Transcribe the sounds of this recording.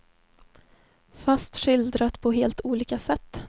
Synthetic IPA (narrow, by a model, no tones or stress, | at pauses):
fast̪ɧɪld̪ɾat̪pʰɔɦeːlt̪uːliːkasɛt̪ː